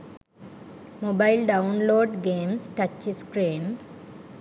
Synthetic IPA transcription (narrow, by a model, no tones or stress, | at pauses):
mobɐjlɖɐwnloːɖɡeːmsʈɐt͡ʃːiskɾeːm